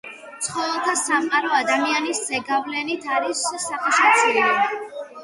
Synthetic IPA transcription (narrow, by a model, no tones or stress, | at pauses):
t̪sʰχɔvɛlˠt̪ʰasamqʼaɾɔad̪amianisz̥ɛɡavlɛnit̪ʰaɾisːaχɛʃat̪sʰili